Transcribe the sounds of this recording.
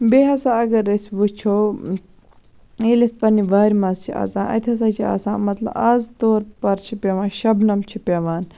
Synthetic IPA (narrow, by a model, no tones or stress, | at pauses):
beːɦɐsaːɐɡɐɾɐsʲʋut͡ʃʰoː | iːlɐst̪̚pɐniʋɐːɾʲmɐzt͡ʃʰia̰ːzãːʔɐ̰t̪ʰʲɐs̬aːt͡ʃʰia̰ːsã̰ːmɐt̪lɐ̰bazt̪oːɾpɐɾt͡ʃʰipʲeʋãːnʃɐbnɐmt͡ʃʰipʲeʋaːn